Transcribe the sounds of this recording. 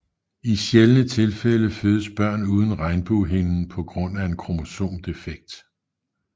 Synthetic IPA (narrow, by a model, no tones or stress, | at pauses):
iɕjelənət͡sʰe̝lfeləføːð̞ˠəsb̥ɶɐ̰nuːð̞ˠn̩ʁɑ̈ɪnb̥uːɦe̝nn̩pʰɒ̽ɡ̥ʁɔ̽n̰æe̝nkʰʁo̝mo̝so̝̰ːmd̥e̝feɡ̥̚d̥